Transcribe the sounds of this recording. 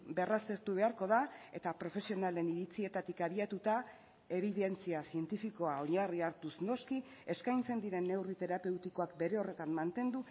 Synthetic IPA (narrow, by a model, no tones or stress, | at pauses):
be̞raseɾt̪uβ̞e̞aɾko̞ðae̞t̪apɾo̞fe̞sio̞nale̞niɾit͡sie̞t̪at̪ikaβ̞iat̪ut̪a | e̞βiðe̞nt͡siasie̞nt̪ifiko̞ao̞ɲariaɾt̪usno̞ski | e̞skajnt͡se̞nd̪iɾe̞nːe̞writ̪e̞ɾape̞wt̪iko̞akbe̞ɾe̞o̞re̞t̪anmant̪e̞nd̪u